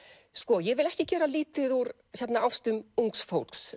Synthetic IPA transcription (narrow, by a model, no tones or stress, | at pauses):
skɔjɛɣvɪlɛhcɪcɛːɾaliːt̪ɪðuɾ | çɛt̪naawst̪ʏmuŋksfowlks